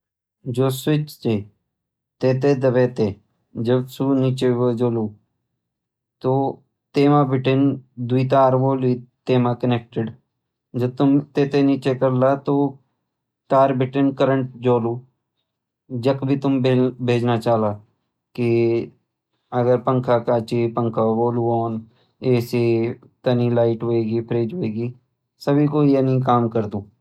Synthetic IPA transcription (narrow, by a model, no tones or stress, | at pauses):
d͡ʑosʋit͡ʃt̪e | t̪et̪̬ed̪əʋet̪e | d͡ʒəbsunit͡ɕeʋəd͡ʒoːluː | t̪o | t̪eːmabʱiʈend̪uit̪̬aəɾʋolit̪emakənek̚ʈɪɖ | d͡ʒəb̚t̪umt̪et̪enit͡ɕekəɾlat̪o | t̪aːɾbɪʈənkəɾə̃ɳʈ̚d͡ʒoːluː | d͡ʒɐkbʱit̪ʊmbebʱeːd͡ʒnat͡ʃaːlaː | ki | ɐɡəɾpɐ̃ŋkʰakaːt͡ʃipə̃ŋkʰaboːluoːn | eːse | t̪ɐnilaːɪʈɦoeːɡipʰɾeːd͡ʒɦoeːɡi | səbʱikojenĩkaːmkəɾd̪ũː